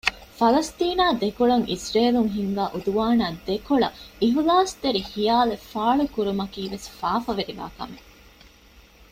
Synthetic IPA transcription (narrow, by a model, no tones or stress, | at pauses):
fɐlɐst̪iːnaːd̪ekoɭɐŋʔisɾeːluŋɦiŋɡaːʔud̪uʋaːnaːd̪ekoɭɐiɦulaːst̪eɾihijaːlefaːɭukuɾumɐkiːʋesfaːfɐʋeɾiʋa̰ːkɐ̰me